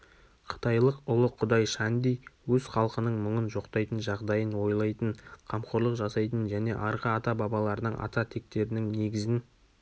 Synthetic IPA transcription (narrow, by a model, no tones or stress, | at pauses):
qʰə̥t̪ɑjlˠəqʊlˠəqʰːʊd̪ɑjʃænd̪ejwɵzχɑlˠqənəɴmʊɴənʒo̞qt̪ɑjt̪ənʒɑʁd̪ɑjənwo̞jlˠɑjt̪əɴqʰɑmqo̞ɾlˠəqʒɑsɑjt̪ənʒæne̞ʔɑɾʁɑːt̪ɑbɑbɑlˠɑɾənəɴʔɑ̰t̪ɑt̪ʰe̞k̚t̪e̞ɾɪnɪŋne̞ɡʲɪzɪn